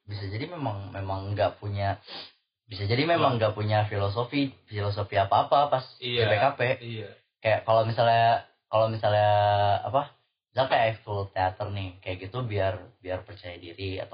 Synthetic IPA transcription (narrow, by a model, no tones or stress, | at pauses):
bisad͡ʒadimemaŋmemaŋɡaʔpuɲa | bisad͡ʒadimemaŋɡaʔpuɲafilos̬ofifilos̬ofiapaːpapasɛpekape | kajaʔkalomisalɲa | kalomisaljaa̰pa | misalkajaʔɛk̚t̪ult̪eat̪ərnɪhkajaʔɡit̪ubiarbiarpərt͡ʃajadiɾia̰t̪a